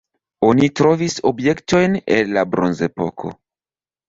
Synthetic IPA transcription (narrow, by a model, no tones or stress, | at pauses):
o̞nitɾo̞viso̞bje̞kto̞jne̞̰nlabɾo̞nze̞po̞̰kʰo̞̰